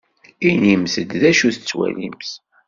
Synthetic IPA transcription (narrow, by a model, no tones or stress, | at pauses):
inimθəd̪ðæʃuθət͡sːwæ̰lḭmθ